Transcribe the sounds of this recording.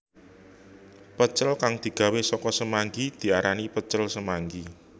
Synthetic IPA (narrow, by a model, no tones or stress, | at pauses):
pət͡ʃəlkaŋd̪̥i̤ɡ̥a̤wesɔkɔsəmaŋɡid̪̥i̤aɾanipət͡ʃəlsəmaŋɡi